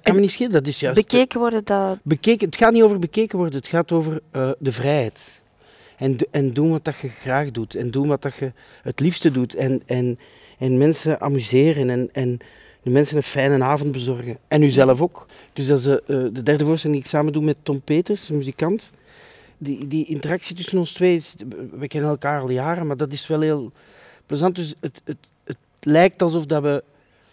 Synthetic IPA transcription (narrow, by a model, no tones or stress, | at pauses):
kɑnmənitsxɪlədɑtɪsjœːsəeːkəʋɔrdədbəkeːkəətxaːtnitoːvərbəkeːkənʋɔrdəɦətxaːtoːvərəːdəvrɛjɦɛjt | ɛnɛndunʋɑtdɑxəɣraːxdutɛndunʋɑt̚dɑxə | ɦətlifstədutʰɛnɛn | ɛnmɛnsəʔa̰myzeːrənɛnɛn | dəmɛnsənənfɛjnənaːvɔnt̚bəzɔrɣənɛnyzɛləvoːk | d̥ʏzdɑədədɛrdəvoːrstɛlɪŋdiɪksaːməndumɛtːɔmpeːtərsəmyzikɑnt | didiɪntərɑksitʏsənɔnstʋeːɪsʋəkɛnənɛlˠkaːrɑlˠjaːrənmaːrdɑtɪsʋɛlˠɦeːlˠ | pløzɑnt̚dʏsətət | ət | lɛjk̚tɑlˠzɔfdɑʋə